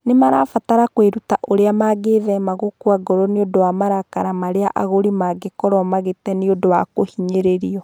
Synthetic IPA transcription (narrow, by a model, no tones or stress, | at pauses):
nemaɾa̰fataɾakweɾutaʔoɾeamaɡeðɛmaɣokwaɡɔɾɔneodowamaɾakaɾamaɾeaʔaɣoɾimaɡekɔɾɔmaɣetɛneodowakohiɲeɾeɾiɔ